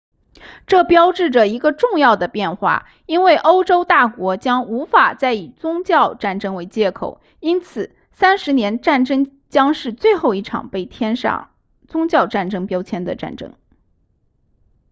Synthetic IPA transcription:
ʈ͡ʂɤ˥˩pjɑ˥ʊʈ͡ʂɻ̩˥˩ʈ͡ʂə˩i˧˥ɡə˧ʈ͡ʂʊ˥˧ŋjɑ˥˩ʊd̪ə˩pjɛ˥˧nxwa̰˥˩ | i˥nwe˥˩ɪʔo˥ʊʈ͡ʂo˥ʊt̪a˥˩kwɔ˧˥t͡ɕjɑ˥ŋu˧˥fa˨˩t͡sa˥˩ɪi˨˩t͡sʊ˥ŋt͡ɕjɑ˥˧ʊʈ͡ʂa˥˩nʈ͡ʂɤ˥ŋwe˧˥ɪt͡ɕjɛ˥kʰo̰˨˩ʊ | i˥nt͡sʰɹ̩˨˩ | sa˥nʂɻ̩˧˥njɛ˧˥nʈ͡ʂa˥˩nʈ͡ʂɤ˥ŋ | t͡ɕjɑ˥ŋʂɻ̩˥˧t͡swe˥˧ɪxo˥˧ʊi˥˩ʈ͡ʂʰɑ̰˨˩ŋpe˥˩ɪt̪ʰjɛ˥nʂɑ̰˥˩ŋ | t͡sʊ˥ŋt͡ɕjɑ˥˧ʊʈ͡ʂa˥˩nʈ͡ʂɤ˥ŋpjɑ˥ʊt͡ɕʰjɛ˥nd̪ə̰˨ʈ͡ʂa̰˥˩nʈ͡ʂɤ̰˥ŋ

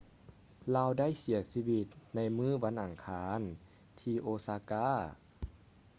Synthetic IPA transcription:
laː˧˨wda˥˩˨jsi˩˦ɐsiː˧˥wi˧t̪̚na˧˥jmɯː˥˨ʋa˧˥˨nʔa˨˩ŋkʰaː˧n | t̪ʰiː˧ʔoː˧saː˧kaː˧˥˨

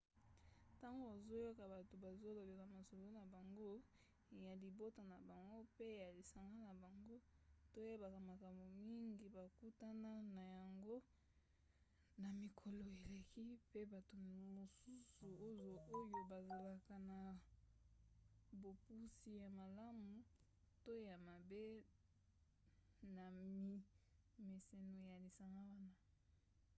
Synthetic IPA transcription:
ta˦ŋɡo˨a˨zo˦jo˦ka˨ba˨to˨ba˨zo˦lo˨be˨ka˨ma˨so˨lo˦na˨ba˨ŋɡo˦ | ja˨li˨bo˦to˨na˨ba˨ŋɡo˦pe˦ja˨li˨sa˨ŋɡa˦na˨ba˨ŋɡo˦to˦je˦ba˨ka˨ma˨ka˨mbo˨mi˦ŋɡi˨ba˨ku˦ta˦na˦na˨ja˨ŋɡo˦ | na˨mi˨kʰo˨lo˨e˨le˨ki˦pe˦ba˨to˨mo˨su˦su˨o˦jo˨o˦jo˦ba˨za˨la˨ka˨na˨ | bo˨pu˦si˦ja˨ma˨la˦mu˨ | to˦ja˨ma˨be˦ | na˨mi˨ | me˨se˨no˨ja˨li˨sa˨ma˦wa˦na˦

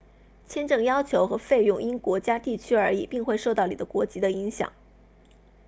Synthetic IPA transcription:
t͡ɕʰjɛ˥nʈ͡ʂɤ˥˩ŋjɑ˥ʊt͡ɕʰjo˧˥ʊxɤ˧˥fe˥˧ɪjʊ˥˩ŋi˥nkwɔ˧˥t͡ɕja˥t̪i˥˩t͡ɕʰy˥ə˞˧˥ḭ˨˩pi˥˧ŋxwe˥˧ɪʂo˥˧ʊt̪ɑ˥˩ni˨˩d̪ə˦kwɔ˧˥t͡ɕi˧˥d̪ə˧i˧˥ŋɕjɑ̰˨˩˦ŋ

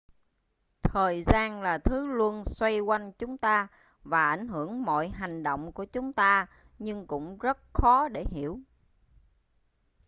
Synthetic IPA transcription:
t̪ʰəː˨˩jzaː˧nlaː˨˩t̪ʰɨ˨˦lu˧ənswa˧jkwa˧jŋ̟t͡ɕʊ˨˦ŋ͡mt̪aː˧ | vaː˨˩ʔa˧˩jŋ̟ɦɨ˧˩əŋmɔ̰˧˨jɦa˨˩ŋ̟ɗə̰˧˨wŋ͡mku˧˩ət͡ɕʊ˨˦ŋ͡mt̪aː˧ | ɲɨ˧ŋkʊ̰˧˥ŋ͡mzə˦˥t̚xɔ˨˦ɗe˧˩ɦi˧˩˨əw

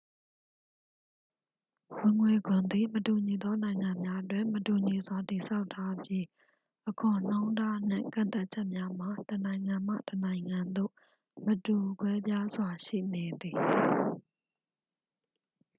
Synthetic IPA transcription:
wɪ̃˨ŋwe˨ɡʊ̃˨nd̪i˨mətu˨ɲi˨d̪ɔ˦nã˨ɪ̃ŋã˨mja˦ʔətwɪ̰̃˦˨mətu˨ɲi˨zwa˨ti˨sʰa˦ʊtʰːa˦pji˦ | ʔəkʰʊ̃˨n̥ã˦ʊ̃nda˦n̥ɪ̰̃˦˨ŋkã̰˦˨t̪a˦ʔ̚t͡ɕʰɛ˦ʔmja˦m̥a˨tənã˨ɪ̃ŋã˨m̥a̰˦˨tənã˨ɪ̃ŋã˨nd̪o̰˦˨ | mətu˨kwɛ˦bja˦zwa˨ʃḭ˦˨ne˨d̪i˨

